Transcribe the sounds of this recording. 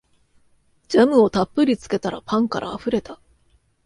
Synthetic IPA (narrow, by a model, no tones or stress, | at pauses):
d͡ʑamɯ̟o̞t̪apːɯ̟ɾʲit͡sɨ̥ke̞t̪aɾa̰pãŋkaɾʔa̰ːɸɯ̟ɾe̞t̪a